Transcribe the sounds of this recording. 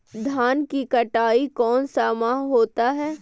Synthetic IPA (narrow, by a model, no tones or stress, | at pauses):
d̪ʱaːnkikɐʈaːikɔːnsamaːɦɦoːt̪aɦɛː